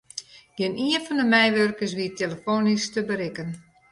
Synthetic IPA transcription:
ɡ̥ɪniənfɔndəmɛjʋørkəs̬ʋiətʰeləfoːnistəbəɾɪkən

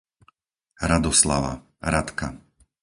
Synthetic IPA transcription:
ɾad̪ɔsla̰ʋa̰ | ɾat̪ka

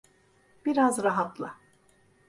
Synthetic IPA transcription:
b̥iɾazɾaɦat̪lˠɯ

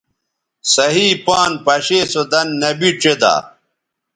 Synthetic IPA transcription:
sɐɦiːpaːnpɐɕeːsod̪ɐnːɐbiʈ͡ʂed̪a̰ː

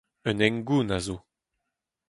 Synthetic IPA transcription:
œnɛŋɡuːnazo

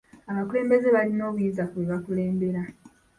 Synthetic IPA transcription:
aβakule̞ːmbe̞ze̞βalino̞ːβujinzakuweβakule̞ːmbe̞ɾa

